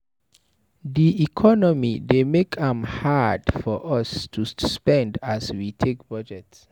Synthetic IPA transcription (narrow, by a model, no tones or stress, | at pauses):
diikʰɔnɔmidemekʰãmhadfɔʔʌstʰuspɛ̃ndaswitʰek̚b̥ʌd͡ʒɛt